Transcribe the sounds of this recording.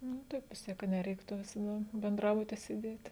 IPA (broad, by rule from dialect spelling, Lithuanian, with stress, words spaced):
nʊ ˈtɐɪp ʋʲɪs ˈtʲiɛk kɐ nʲɛˈrʲɛɪktʊ ʋʲɪsɐˈdɐ bʲɛnˈdrɑːbʊtʲɪ sʲeːˈdʲeːtʲ